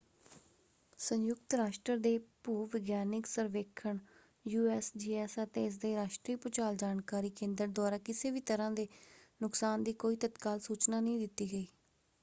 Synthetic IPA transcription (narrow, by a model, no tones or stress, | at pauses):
sə̃njʊkt̪ɾaːʃʈɾəd̪eːpuːʋɪɡjaːnɪksəɾʋeːkʰəɳ | juːɛːsd͡ʒiːɛːsət̪eːɪs̬d̪eːɾaːʃʈɾiːpʊt͡ʃaːld͡ʒaːnkaːɾiːkẽːnd̪əɾ̚d̪oaːɾaːkɪseːbiːt̪əɾãːd̪eːnʊksaːnd̪iːkoːiːt̪ət̪kaːlsuːt͡ʃnaːnəĩːd̪ɪt̪ːiːɡəiː